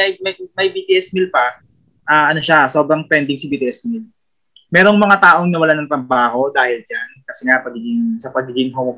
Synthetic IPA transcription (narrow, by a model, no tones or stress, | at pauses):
ɐjmɐmɐjbit̪iʔɛsmilpɐ | ʔaːʔɐno̞ʃaso̞bɾɐŋpɛnd̪ɪŋsɪbit̪iʔɛsmil | mɛːɾo̞ŋmɐŋat̪aːʔo̞ŋnɐwɐlanɐŋt̪ɾɐbaːho̞d̪aːhɪld͡ʒankɐsɛŋapɐɡiːɡɪŋsɐpɐɡiːɡɪŋɦo